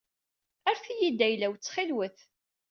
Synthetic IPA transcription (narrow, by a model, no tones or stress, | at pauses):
æɾθijid̪ːæjlæwt͡sːχilwəθ